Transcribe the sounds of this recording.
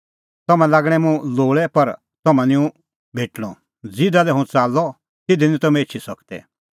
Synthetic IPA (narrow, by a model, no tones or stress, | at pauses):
t̪ɔmɛ̃laːɡɽ̃ɛ̃mũloːɭɛpɐɾ | t̪ɔmɛ̃nɪ̃ũ | bʱeːʈɽ̃ɔ̰̃ | d͡zɪd̪alɛɦũt͡saːlːɔ | t̪ɪd̪inĩt̪ɔmɛ̃et͡ʃʰisɐkt̪ɛ̰